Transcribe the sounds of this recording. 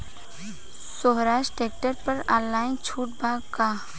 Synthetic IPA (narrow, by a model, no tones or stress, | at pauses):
soːɦɾaːʃʈeːk̚ʈəɾpɐɾaːlːaːɪnt͡ʃʰuːʈ̚baːɡkaː